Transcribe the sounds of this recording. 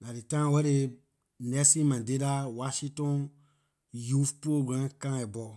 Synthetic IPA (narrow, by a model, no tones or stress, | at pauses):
naɾitãwɛɾe | nɛsimãdedawaʃĩtɔ̃ | jufpoɡɾãkãɛbɔ